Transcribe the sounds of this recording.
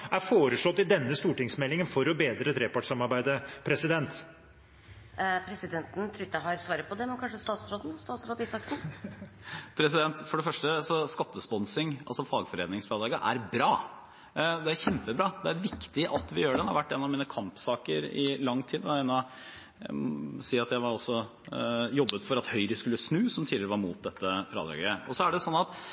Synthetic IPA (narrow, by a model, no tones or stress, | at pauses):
æɾfoːɾəʂlɔt̪ːɪd̪ɛnːəst̪uːʈɪŋsmɛlːɪŋənfɔɾɔbeːd̪ɾət̪ʰɾeːpɑʈsɑmɑɾbæɪd̪əpʰɾɛsɪd̪ɛnt̪ | pʰɾɛsɪd̪ɛnt̪n̩t̪ʰɾuːɪt̪ːjæɦɑɾsʋɑːɾəpʰɔd̪ɛmɛnkʰɑnʂəst̪ɑːt̪sɾoːd̪n̩st̪ɑːt̪sɾoːd̪isɑksn̩ | pʰɾɛsɪd̪ɛnt̪fɔɖɛfœʂʈəsɔskɑt̪ːəspɔnsɪŋɑ̰lsɔfɑːɡfɔɾeːd̪ɪŋsflɑːd̪ɑːɡəʔæ̰ɾbɾɑː | d̪ɛæɾçɛmpəbɾɑːd̪ɛæɾʋɪkt̪ɪʔɑt̪ʋɪjøːɖɛnhɑɾʋæʈːeːnːɑʋmiːnəkʰɑmpsɑːkəɾɪ̰lɑŋːt̪ʰiːd̪ɔɛnɑ | æ̰ɔsiːɑt̪jæɪʋɑɾɔsːɔ | jɔbːət̪fɔɾɑt̪hœʏɾəskʉlːəsnʉːsɔmt̪ʰiːlɪɾəʋɑɾmuːt̪̚d̪ɛt̪ːəfɾɑ̰ːd̪ɾɑ̰ɡəɔ̰sɔæɖɛsɔnːɑt̪